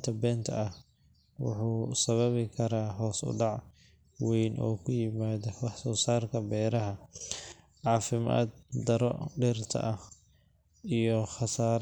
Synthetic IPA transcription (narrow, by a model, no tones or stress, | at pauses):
t̪ʰɐbɛːnt̪ʰɐɐh | wʊ̰ħuːsɐβɐβɪkʰɐɾaːɦɔːsʊ̰ɖɑʕ | wɛjnʔɔ̰ːkʰʊjɪmaːðɐwɑħsɔːsaːrkʰɐbɛːɾɐɦɐ | ʕɑːfɪma̰ːd̪̚d̪ɐɾɔɖɪrt̪ʰɐ̰ʔɐh | ijɔχɑsaːɾ